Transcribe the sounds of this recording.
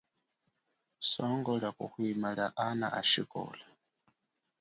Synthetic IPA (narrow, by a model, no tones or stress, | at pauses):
sɔŋɡɔɺakʼuhwimaɺaʔana̰ʔaʃikʼɔ̰ːla